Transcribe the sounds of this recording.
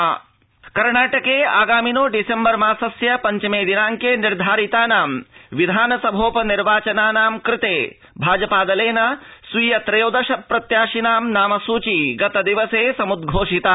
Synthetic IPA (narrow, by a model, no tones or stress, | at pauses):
kɐɾɳaːʈɐkeːaːɡaːminoːɖisembɐɾmaːsɐsjɐpɐɲt͡ʃɐmeːd̪inaːŋkeːniɾd̪ʱaːɾit̪aːnaːmʋid̪ʱaːnɐsɐbʱoːpɐniɾʋaːt͡ʃɐnaːnaːmkɾɪt̪eː | bʱaːd͡ʒɐpaːd̪ɐleːnɐsʋiːjɐt̪ɾɐjoːd̪ɐʃɐpːɾɐt̪jaːʃinaːmnaːmɐsuːt͡ʃiɡɐt̪ɐd̪iʋɐseːsɐmud̪ɡʱoːʂit̪a